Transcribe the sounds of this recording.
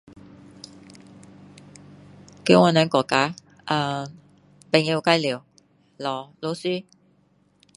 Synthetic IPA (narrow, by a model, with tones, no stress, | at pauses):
kə˨˥wŋɔː˨˧nœː˨˥ŋkɔː˨˩kaː˨˥ | ʔaː˧ | pe˨ŋji˧wka˧˥jliː˨˩w | lɔː˨˩lo˨˧wsyː˥